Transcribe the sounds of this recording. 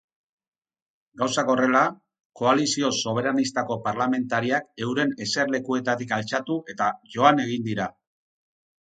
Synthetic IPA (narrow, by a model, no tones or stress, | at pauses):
ɡawsako̞re̞la | ko̞alisio̞so̞β̞e̞ɾanist̪ako̞paɾlame̞nt̪aɾiake̞wɾe̞ne̞se̞ɾle̞kue̞t̪at̪ikalt͡ʃat̪uʔe̞t̪aʝo̞ane̞ɣ̞ind̪iɾa